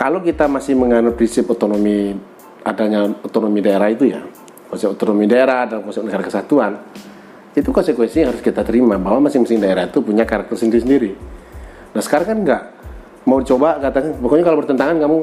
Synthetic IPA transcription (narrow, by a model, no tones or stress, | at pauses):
kalokit̪amasɪhməŋanʊpɾinsɪpɔt̪onomi | adaɲaot̪onomidaeɾahit̪uja̰ | kɔnsɛpot̪onomidaeɾahdalamkɔnsɛp̚nəkaɾakəsat̪uan | it̪ukɔnsɛkwɛnsiaŋɦaɾʊskit̪at̪əɾimabaɦwamasɪŋmasɪŋdaeɾait̪upuɲakaɾak̚t̪ərsəndiɾis̬əndiɾi | dasə̥kaɾaŋkanŋɡaʔ | maudit͡ʃobakat̪akanbɔkoɲakalobərt̪ənt̪aŋankamu